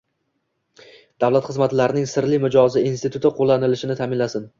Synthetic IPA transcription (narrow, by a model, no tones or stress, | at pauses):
d̪̥avlat̪χɨzmat̪laɾɪnɪŋsɪɾlɪmʊd͡ʒɒzɪinst̪ɪt̪ʰʊt̪ɪqʰolˠːanɪlɪʃɪnɪt̪ʰamɪnlasɪn